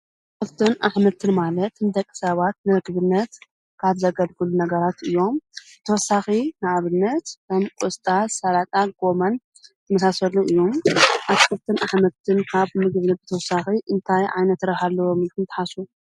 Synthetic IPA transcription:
fɨlt̪ʰɨnʔaħmɐt̪ʰːɨnmalɐt̪nɨd̪ɐkʼːɨ̥sɐβat̪nɨɨɡɨβɨnːɐt̪ | kʰaβzɐɡɐlɡɨlunɐɡɐɾat̪ʔɨjːo̞mbɨt̪ʰɐwɔsːaxinɨʕaβɨnːɐt̪kɐmkʼɔst̪ʼasɐɾat̪ʼaɡ̥o̞mɐn | t̪ʰɐmɐsasɐlːuʔɨjːomʔatfɨft̪ʰɨnaħmɐt̪ʰːɨnkʰaβmɨɡβnɨbɨt̪ʰɐwɔsaxiʔɨnt̪ʰajʕa̰jnɐt̪ːɾɐhalːɐwomɨlkʰɨnt̪ɨ̥ħasu

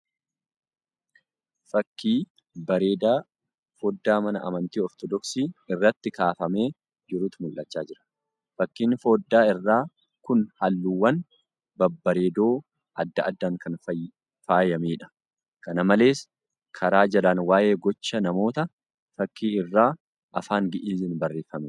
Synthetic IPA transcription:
fɐkːiː | bɐɾe̞ːd̪aː | foːd̪ːaːmɐnɐʔɐ̰mɐnt̪iːɔɾt̪ɔd̪ɔksiːɪrːɐt̪ːɪkaːfɐme̞ː | d͡ʒɪɾuːt̪mʊlʔːɐt͡ʃːaːd͡ʒɪɾɐ̥ | fɐkːiːnfo̞ːd̪ːaːɪrːaː | kʊnhɐlːuːwɐn | bɐbːɐɾeːd̪o̞ː | ʔɐd̪ːɐɐd̪ːaːŋkɐnf | faːjɐmiːᶑɐ̥ | kɐnɐmɐle̞ːs | kʰɐɾaːd͡ʒɐlaːnwaːje̞ːɡɔt͡ʃːɐnɐmo̞ːt̪ɐ | fɐkːiːɪrːaː | ʔɐ̰faːŋɡɪʔiːzɪnbɐrːe̞ːfɐmɛ

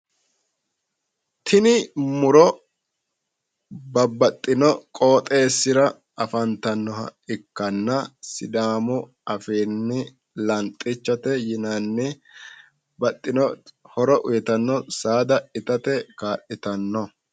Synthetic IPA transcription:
t̪ʰɪnɪmʊɾɔ | bɐbːɐt̪ʼːɪnɔkʼo̞ːt̪ʼe̞ːsːɪɾɐ | ɐfɐnt̪ɐnːɔɦɐ̰ɪkːɐnːɐsɪd̪aːmʊ | ɐfiːnːɪ | lɐnt̪ʼːɪt͡ʃːɐt̪ɛjɪnɐnːɪ | bɐt̪ʼːɪnɔhɔɾɔʔʊjɛt̪ɐnːɔsaːd̪ɐɪt̪ɐt̪ɛkaːɗɪt̪ɐnːɔ

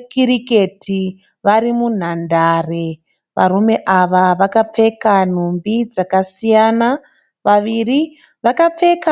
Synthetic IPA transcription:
kiɾike̞tʰi | ʋaɾimun̤andaːre | ʋa̰ɾume̞ʔaʋaʋakap͡fe̞kan̤umbid͡zakasijana | ʋaʋiri | ʋakap͡fe̞ka

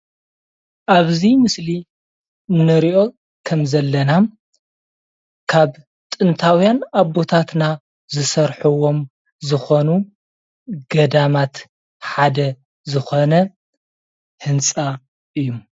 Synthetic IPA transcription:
ʔaβzimɨsli | nɐɾiʔo̞ | kʰɐmzɐlːɐna | kʰaβ | t̪ʼɨnt̪ʰawjanaβo̞t̪ʰat̪na | zɨsɐɾħuwo̞m | zɨxo̞nu | ɡɐd̪amat̪ | ħad̪ɐ | zɨxo̞nɐ | hɨnt͡sʼa | ʔɨjːum

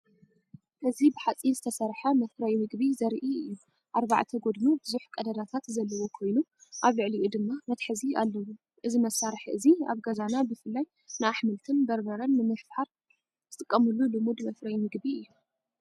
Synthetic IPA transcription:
ʔɨzibɨħat͡sʼinzɨt̪ʰɐsɐɾħɐmɐfɾɐjmɨɡbizɐɾʔiɨjːu | ʔaɾβa̰ʕt̪ʰɐɡo̞d̪nubɨzuħkʼɐd̪ɐd̪at̪ʰat̪zɐlːɐwo̞kʰo̞jnuʔaβlɨʕliʔud̪ɨmːamɐt̪ħɨzia̰lːɐwu | ʔɨzimɐsaɾħɨzia̰βɡɐzanabɨfɨlːaj | nɨaħmɨlt̪ʰɨnbɐɾbɐɾɐnːɨmɨħfħaɾ | z̥ɨt̪ʼɨkʼːɐmɨlːulɨmud̪mɐfɾɐjmɨɡbiɨjːu

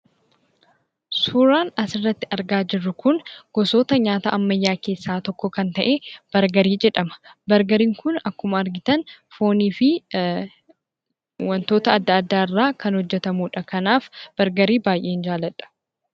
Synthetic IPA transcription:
suːɾaːnɐsɪrːɐt̪ːɪʔɐɾɡaːd͡ʒɪrːʊkʊnɡ̥ɔso̞ːt̪ɐɲaːt̪a̰ʔɐmːɐjːaːke̞ːsːaːt̪ɔkːɔkɐnt̪ɐʔe̞ːb̥ɐɾɡɐɾiːd͡ʒɛᶑɐmɐ̥bɐɾɡɐɾiːŋkʊnɐkːʊmɐːɾɡɪt̪ɐnfo̞ːniːfɪ | wɐnt̪o̞ːt̪ɐːd̪ːɐːd̪ːaːɪrːaːkɐnhɔd͡ʒːɛt̪ɐmuːᶑɐkɐnaːfb̥ɐɾɡɐɾiːbaːjʔe̞ːɪnd͡ʒaːlɐᶑɐ̥

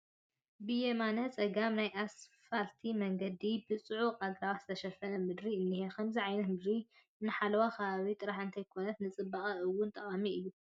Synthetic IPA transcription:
bɨjemanɐt͡sʼɐɡamnajʔasfalt̪ʰimɐŋɡɐd̪ibɨt͡sʼɨʕuqʼaɡɾawaz̥ɨt̪ʰɐʃɐfɐnɐmɨd̪ɾiɨnːihekʰɐmziʕajnɐt̪mɨd̪ɾi | nɨħalɐwakʰɐβaβit̪ʼɨɾaħɨnt̪ʰɐjkʰo̞nɐt̪nɨt͡sʼɨbːaχʼɐɨwːʊnt̪ʼɐχʼamiɨjːu

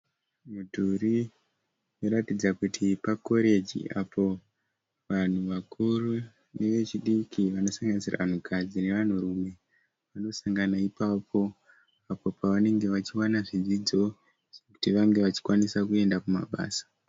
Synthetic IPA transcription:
mudʱuri | joɾatid͡zakutʰipako̞ɾe̞d͡ʒḭʔa̰po̞ | ʋan̤uʋakʰuru | ne̞ʋe̞t͡ʃiɗikiʋano̞saŋɡanisira̰ʋan̤ukʰad͡zine̞ʋan̤urume̞ | ʋano̞saŋɡanaipapʰo̞ | apo̞paʋane̞ŋɡe̞ʋat͡ʃiwanaʐid͡zid͡zo̞ | ʐ̥eku̥tiʋaŋɡe̞ʋat͡ʃi̥kwanisakue̞ndakuma̰ɓa̰ːsḁ

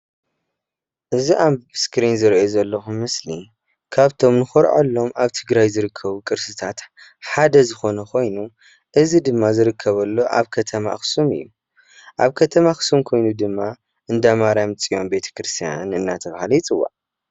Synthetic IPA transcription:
ʔɨziʔambskɾinzɨɾʔozɐlːɐxumɨslḭ | kʰaβt̪ʰo̞mnɨxoɾʕa̰lːo̞mʔaβt̪ʰɨɡɾajzɨɾɨkʰːɐβukʼɨɾsɨt̪ʰat̪ | ħad̪ɐzɨxo̞nɐkʰo̞jnu | ʔɨzid̪ɨmːazɨɾɨkʰːɐβɐlːo̞ʔa̰βkʰɐt̪ʰɐma̰xsumɨ̰jːu | ʔaβkʰɐt̪ʰɐmaxɨ̥sumkʰo̞jnud̪ɨmːa | ʔɨnd̪amaɾamɨt͡sʼijo̞mbe̞t̪ʰɐ̥kɾɨst̪ʰija̰nɨnːat̪ʰɐβahalijit͡sʼɨwːa̰ʕ

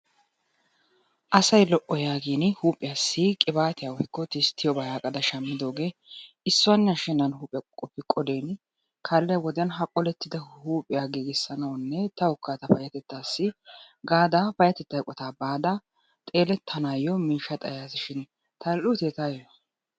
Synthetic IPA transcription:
ʔɐsɐjlɔʔːɔjaːɡiːnhuːpʼːɪjaːsːɪkʼɪbaːt̪ɪjawɔkːɔt̪ɪst̪ʰːɪjɔbɐjaːkʼɐd̪ɐʃɐmːɪd̪o̞ːɡe̞ː | ɪsːʊwɐnːɐʃɪnɐnɦuːpʼɪkʼkʼːɔpːɪkʼɔd̪eːn | kʰɐlːɛjɐwɔd̪ɪjɐnɦɐkʼːɔlɛt̪ːɪd̪ɐhuːpʼɪjaɡiːɡɪsːɐnɐwnːɛt̪ɐʊkːaːt̪ɐfɐjɐt̪ɛt̪ːaːsːɪ | ɡaːd̪afɐjɐt̪ɛt̪ːɐjkʼɔt̪aːbaːd̪a | t̪ʼe̞ːlɛt̪ʰːɐnaːjɔmiːʃːɐt̪ʼɐ̰jaːsɪʃɪn | t̪ɐlʊt̪eːt̪aːjɔn

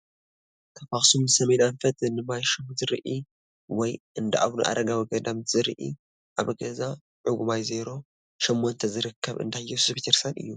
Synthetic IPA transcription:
k̪ʰɐfaχsumɨsɐmenanfɐt̪ɨnɨmajʃomzɨɾʔi | wɔjɨnd̪ɐʔa̰βnṵʔa̰ɾɐɡawiɡɐd̪amzɨɾʔḭ | ʔaβɐɡɐza | ʕʊɡumajzeɾo̞ | ʃɛmːont̪ʰɐzɨɾɨkʰːɐβɨ̰nd̪ʰajɛssbʰit̪ʰeɾsanɨ̰jːu

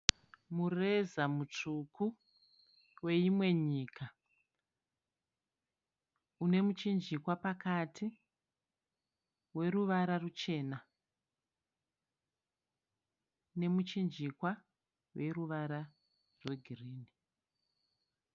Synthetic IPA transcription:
mure̞zamut͡ʂukʰu | we̞imwe̞ɲiːkʰa | une̞mut͡ʃind͡ʒikwapakatʰi | we̞ɾuʋaɾarut͡ʃe̞ːna | ne̞mut͡ʃind͡ʒikwa | we̞ruʋaɾa | rwe̞ɡʱiriːni

